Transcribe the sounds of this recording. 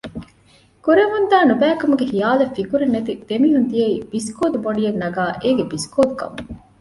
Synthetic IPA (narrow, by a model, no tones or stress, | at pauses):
kuɾemund̪aːnubæːkɐmuɡehijaːlɐfikuɾenːɐt̪id̪̥emiːɦund̪ijɐib̥iskoːd̪uboɖijɐnːɐɡaːʔeːɡebiskoːd̪ukɐ̰mu